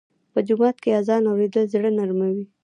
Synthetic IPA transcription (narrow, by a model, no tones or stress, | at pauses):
pəd͡ʒʊmɑt̪keazɑnawɾed̪əlzɽənaɾmawi